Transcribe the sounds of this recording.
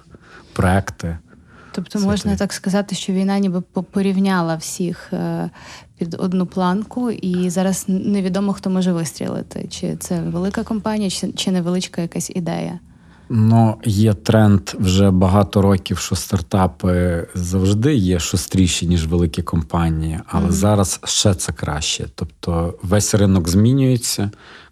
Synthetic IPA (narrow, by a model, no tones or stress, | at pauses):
pɾɔɛkt̪ɪ | t̪ɔpt̪ɔmɔʒnɐt̪ɑkskɐzɑt̪ɪʃt͡ʃɔʋʲijnɑnʲibɪpɔpɔɾʲiwnʲɑlˠɐwsʲix | pʲid̪ɔ̰d̪nuplˠɑnkʊʔizɑɾɐzneʋʲid̪ɔmɔxt̪ɔmɔʒɛʋɪst̪ʲɾʲḭlˠɪ̰t̪ɪ̰t͡ʃɪ̰t̪sɛʋelˠɪkɐkɔmpɑnʲijɐt͡ʃɪt͡ʃɪnɛʋlˠɪt͡ʃkɐjɐkasʲḭd̪ɛ̰jɐ̰ | nujɛt̪ɾɛnt̪wʒɛbɐɦɑt̪ɔɾɔkʲiwʃɔst̪ɐrt̪ɑpɪzɐwʒd̪ɪjɛʃɔst̪ɾʲijʃinʲiʒʋelˠɪkʲikɔmpɑnʲijiʔɐlˠɛzɑɾɐsʃt͡ʃɛt̪sɛkɾɑ̰ʃt͡ʃɛ̰t̪ɔpt̪ʰɔʋɛsʲrɪnɔkzmʲinʲʊjet͡sʲːɐ